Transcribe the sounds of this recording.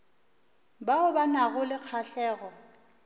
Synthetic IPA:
baʊbanaɣʊlɪq͡χʰaɬɛːɣɔ

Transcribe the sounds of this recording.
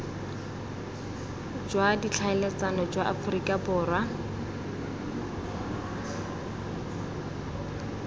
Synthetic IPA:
d͡ʒwadit͡ɬʰaɛlɛt͡sanɔd͡ʒwaʔafʊrikʼabʊːra

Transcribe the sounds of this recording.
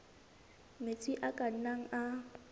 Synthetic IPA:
met͡sʼiʔakʼan̩naŋ̩a

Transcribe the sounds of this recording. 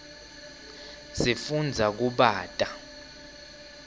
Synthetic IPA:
sifund͡zʱak̬uɓaːtʼa

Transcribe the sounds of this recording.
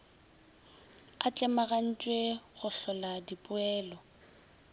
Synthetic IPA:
at͡ɬʼɛmaɣan̩t͡ʃʼweɣʊɬɔladipʼʊɛːlɔ

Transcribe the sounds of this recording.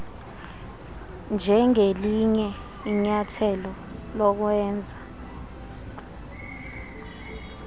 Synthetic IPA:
nd͡ʒʱɛŋeliɲɛ | iɲatʰɛlɔ | lɔk̬wɛːnd͡zʱa

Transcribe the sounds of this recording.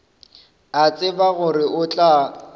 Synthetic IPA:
at͡sʼɪbaɣʊrɪʔʊt͡ɬʼa

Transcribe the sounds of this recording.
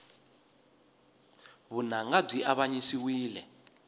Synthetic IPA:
βunaŋɡab͡ʐʱiʔaβaɲisiwiːlɛ

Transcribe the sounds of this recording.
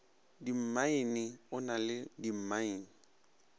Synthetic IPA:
dim̩maɪnɪʊnalɪdim̩maɪːni

